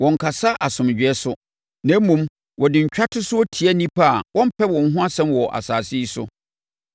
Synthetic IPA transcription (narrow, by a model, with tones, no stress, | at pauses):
wɔ̃˨ŋ̩˨kʰa˨sa˦ʔa˨sʊ̃˨md͡ʑᶣɛ˦sʊ˦ | nã˨˦mũ˨m | wɔ˨dɪ˨ɲ̩˨t͡ɕᶣa˦tʰʊ˦sʊ˦ɔ˦tʰi˨aæ˦nĩ˦pʰa˦˨wʔɔ̃˦m̩˦pʰɛ˦wɔ̃˨n˦ɦʊ̃˦a˦sɛ̃˦mwɔ˨ʔa̰˨saː˨si˦i˦sʊ̰˦